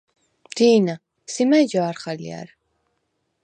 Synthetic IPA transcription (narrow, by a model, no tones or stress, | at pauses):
d̪̥iːna | simad͡ʒaːɾχalḭa̰ɾ